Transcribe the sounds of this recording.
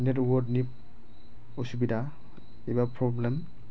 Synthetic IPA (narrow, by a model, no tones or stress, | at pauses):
nɛtwɔdnip̚ | ɔsubida | ibapʰɾɔblem